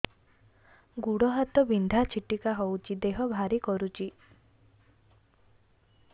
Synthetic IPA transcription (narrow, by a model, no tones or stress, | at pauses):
ɡuɽɔɦat̪ɔbind̪ʱat͡ʃʰiʈikaɦowt͡ʃʰid̪eɦɔbʱaɾikɔɾut͡ʃʰi